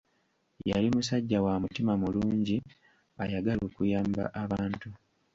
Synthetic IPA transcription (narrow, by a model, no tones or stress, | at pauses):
ja̰limusaɟːawamutimamuluːɲɟi | ajaɡalo̞ːkujaːmba̰ʔaβaːntu